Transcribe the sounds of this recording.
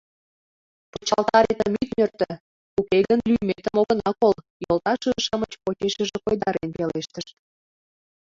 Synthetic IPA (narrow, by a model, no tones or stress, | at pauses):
pot͡ɕɑlˠt̪ɑɾet̪əmit̪mørt̪ə̆ | ukeɣənlyjmet̪əmoɣənɑkol | jolt̪ɑʃəəʃəmət͡ɕpot͡ɕeʃəʒĕkojd̪ɑɾḛnpeleʃt̪əʃ